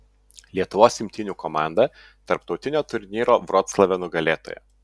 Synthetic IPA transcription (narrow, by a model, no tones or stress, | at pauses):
lʲiɛt̪ʊʋoːsʲɪmʲt̪ʲɪnʲuːkɔmɑˑnd̪ɐ | t̪ɐɾpt̪ɒʊt̪ʲɪnʲoːt̪ʊɾʲnʲiːɾoːʋɾɔt̪slˠɐʋʲɛnʊɡɐlʲeːt̪o̰ːjɛ̰